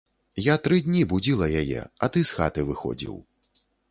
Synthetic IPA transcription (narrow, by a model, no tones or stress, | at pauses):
jat̪ɾɨd̪ʲnʲibud͡zʲilˠɐjajɛ̰ɐt̪ɨsxa̰t̪ɨvɨxɔ̰d͡zʲḭw